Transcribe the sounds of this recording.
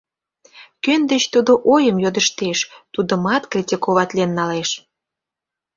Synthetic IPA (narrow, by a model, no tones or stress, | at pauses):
kønd̪et͡ɕt̪ud̪oʔojəmjod̪əʃt̪eʃt̪ud̪əmɑt̪krʲitʲikoβɑt̪lienːɑleʃ